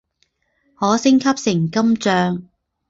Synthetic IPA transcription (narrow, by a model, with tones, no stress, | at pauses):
hɔː˨˥sɪ˥ŋkʰɐ˥p̚sɪ˨˩ŋkɐ˥mt͡sœː˧ŋ